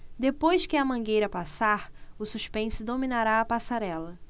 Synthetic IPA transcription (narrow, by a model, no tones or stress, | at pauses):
d̪epojskɪɐmɐ̃ɡejɾɐpasaɾʊsuʃpẽsɪd̪ominaɾaːpasaɾɛlɐ